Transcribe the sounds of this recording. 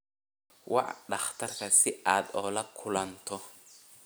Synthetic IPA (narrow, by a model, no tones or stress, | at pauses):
wɑ̰ʕɗɑχt̪ʰɐrkʰɐsɪaːd̪ɔːlɐkʰʊlɐnt̪ʰɔ